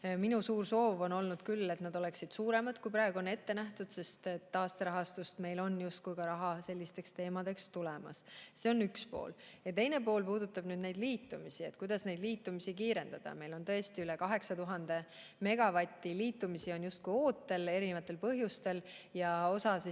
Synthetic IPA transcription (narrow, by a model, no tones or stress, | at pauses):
minusuːrso̞ːvo̞no̞lnud̪̥kylːe̞t̪nɑd̪o̞le̞ksid̪̥suːɾe̞mɑd̪̥kujpɾɑeɡ̥uone̞t̪ːe̞næht̪ud̪̥se̞st̪et̪ːɑːst̪eɾɑɦɑst̪ust̪me̞jlo̞njust̪̚kujkɑɾɑɦɑse̞lʲːist̪e̞kst̪e̞ːmɑd̪̥e̞kst̪ulɛmɑ̰sse̞onykspo̞̰ːl | jɑt̪e̞jne̞po̞ːlpuːd̪ut̪ːˑɑb̥nyːd̪ne̞jd̪liːt̪ːˑumisie̞t̪kujd̪̥ɑsne̞jd̪liːt̪ːˑumisikiːɾe̞nd̪̥ɑd̪̥ɑ̰me̞jlo̞nt̪ɤ̞e̞st̪iylekɑɦe̞ksɑt̪uɦɑnd̪̥e̞ | me̞ɡ̥ɑvɑt̪ʲːˑiliːt̪ːˑumisio̞njust̪̚kujo̞ːt̪ːe̞le̞ɾinevɑt̪ːˑe̞lpɤɦjust̪e̞ljɑo̞sɑsi